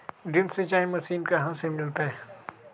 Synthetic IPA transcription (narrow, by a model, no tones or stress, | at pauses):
ɖɪmsẽt͡ʃaːɦẽmɐsiːnkaɦãsemɪlt̪aɦɛː